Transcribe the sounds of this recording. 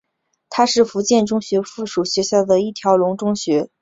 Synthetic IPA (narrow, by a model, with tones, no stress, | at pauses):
t̪ʰa˥ʂɻ̩˥˩fu˧˥t͡ɕjɛ˥˩nʈ͡ʂʊ˥ŋɕɥɛ˧˥fu˥˩ʂu˨˩ɕɥɛ˧˥ɕjɑ˥˩ʊd̪ə˩i˥˩t̪ʰjɑ˧˥ʊlʊ˧˥ŋʈ͡ʂʊ˥ŋɕɥɛ˧˥